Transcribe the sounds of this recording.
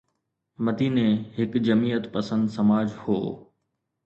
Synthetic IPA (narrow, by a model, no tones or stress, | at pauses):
mɐd̪iːnẽɦɪkd͡ʑɐmiːət̪pɐsə̃nd̪sɐmaːd͡ʑho̰ː